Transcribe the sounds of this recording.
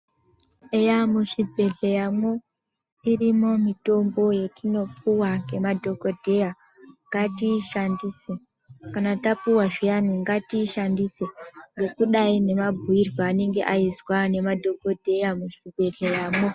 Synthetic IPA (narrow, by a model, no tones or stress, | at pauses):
ejamuʂibʱe̞ɮejamwo̞ | irimo̞mito̞mbo̞je̞tino̞pʰuwaŋɡe̞madʱo̞ko̞dʱe̞ja | ŋɡatiʃandiːse | kanatapuwaʐijanuŋɡatiːʃandiseŋɡe̞kuɗaine̞mabʱuirwaːne̞ŋɡe̞ʔaizwane̞madʱo̞ko̞dʱe̞jamuʂibʱe̞ɮejaːmo̞